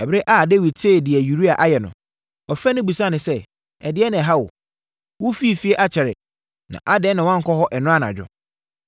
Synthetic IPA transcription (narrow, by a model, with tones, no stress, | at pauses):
ɛ˨be˦ʔa˦˨de˦wi˨d̚tʰe˦˨dɪ˨ɛ˨ju˨ɾi˦a˨ʔa˦jɛ˨nʊ̰̃˨ | ɔ˨fɛ˦nʊ̃˦bu˨sa˦nʊ̃˨sɛ˦ | ɛ˨dɪ˦ɛ˦nɪ̃˨ɛ˨ɦa˦wʊ̰˨ | wʊ˦fi˦˨fi˦ɛ˦ʔa˦t͡ɕʰɛ˨ɾɪ˨ | nã̰˨ʔa˦dɛ˨˦nã˨wã˦ŋ̩˨kʰɔ˦ɦɔ˦ʔɛ˨nʊ̃˦a˦ñ˨a̰˨d͡ʑᶣɔ̰˨